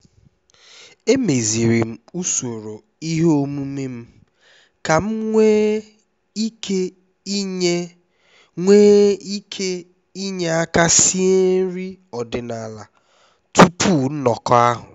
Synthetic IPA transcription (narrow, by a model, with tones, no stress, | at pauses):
e˦me˨zi˨ɾi˨m̩˦u˦so˨ɾo˨ | i˦ɦo˦mu˦me˦m̩˦ | ka˨m̩˦ŋʷe˦ | i˦ke˦ | e˦ | ŋʷeː˦i˦kʰe˦ | i˦ɲe˦a˦ka˦si˦e˦ɾi˦ɔ˨dɪ˨na˨la˨ | tu˦pʰu˦˨n̩˦nɔ˨kɔ˦a˦ɦʊ˨